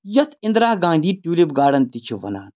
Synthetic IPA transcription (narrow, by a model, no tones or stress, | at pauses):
jɐt̪ʰɪ̃nd̪ɾaːhɡãːnd̪iːʈuːlibɡaːɽɐnt̪it͡ʃʰuʋɐ̰na̰ːn